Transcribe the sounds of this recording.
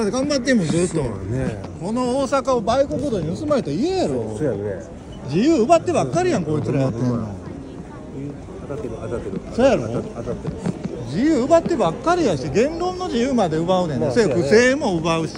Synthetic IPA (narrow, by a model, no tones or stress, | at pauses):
at̪eɡãmbat̪̬ːemozɨt̪ːoko̞no̞oːsakaobaikokɯ̟d̪o̞ːɲ̟iɯsɨmaɾet̪oiejaɾo̞ | d͡ʑijɯːɯbat̪ːe̞βakːaɾʲijãŋko̞ːit͡sɨɾajat̪ːẽnːo | soːjaɾo̰ | d͡ʑijɯːɯbat̪ːe̞bakːaɾʲijaɕiɡẽ̞nɾõ̞nːo̞d͡ʑijɯːmad̪e̞ɯbaɯnẽnosokɯ̟se̞ːmo̞ɯbaɯ̟ɕi̥